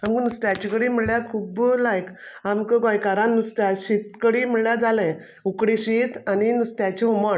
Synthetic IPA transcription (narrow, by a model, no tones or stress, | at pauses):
amkənəst̪jat͡ɕikəɽim̤əɽljakʰuːblajkamkəɡajkaɾanːəst̪aɕit̪kəɽim̤əɽljad͡zalɛ̃ | ukɽiɕit̪aninəst̪jat͡ɕiɦuməɳ